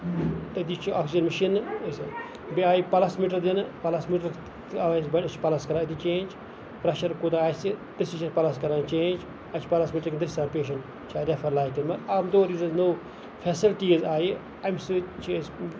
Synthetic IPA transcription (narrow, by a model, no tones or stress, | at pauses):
t̪ɐd̪it͡ʃʰiaksd͡ʒɐnmɐʃinːɨs | biaːjipɐlasmiːʈ̬ɐɾd̪inɨpɐlasmiːʈ̬ɐɾ | ɐʋasbɐʈɐt͡ʃʰpɐlaskɐɾãːɐd̪it͡ʃẽːnd͡ʒ | pɾɐʃɐɾkod̪aːjsid̪ɨsiʃɐpɐlaskɐɾãːnt͡ʃẽːnd͡ʒ | ɐt͡ʃʰi̥pɐlasmiːʈɐɾknd̪ɐsɾaːnpeːʃ̬ɐn | t͡ʃʰaɾefɐɾlaːjkɐnmɐtamd̪oːɾiːzɐznoː | fʰesilʈizaːji | ɐjmsɨt͡ʃʰis